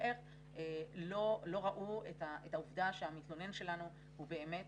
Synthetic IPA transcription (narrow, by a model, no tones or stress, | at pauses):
eʁ | elo̞lo̞ʁaʔuetaʔetauvdaʃeamitlonenʃe̞lanu | hube̞ːme̞t